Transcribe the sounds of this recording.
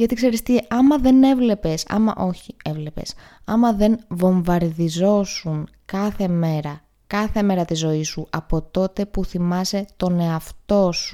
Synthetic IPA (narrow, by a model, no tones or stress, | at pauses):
ʝɐt̪ikse̞ɾist̪iɐmɐðe̞ne̞vle̞pe̞sɐ̰mɐ̰ʔo̞çie̞vle̞pe̞̰s | ɐmɐðe̞nvo̞ɱvɐɾðizo̞suŋ | kɐθe̞me̞ɾɐ | kɐθe̞me̞ɾɐt̪izo̞isuɐpo̞t̪o̞t̪e̞puθimɐse̞t̪o̞ne̞ɐft̪o̞su̥